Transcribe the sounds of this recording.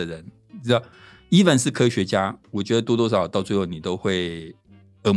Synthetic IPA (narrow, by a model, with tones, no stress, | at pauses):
ə˨ɻə˧˥n̩˨˥ | d̪ɑ˥˧˩ | i˥fə˥˧nʂɻ̩˥˩kʰɤ˥ɕɥɛ˧˥t͡ɕja˥wɔ˨˩t͡ɕɥɛ˧˥d̪ə˧t̪wɔ˥t̪wɔ˥ʂ̬ɑ˨˩ʊt̪ɑ˥˧ʊt͡swe˥˧ɪxo˥˩ʊni˨˩t̪o˥ʊxwe˥˩ɪ | ə˧˥m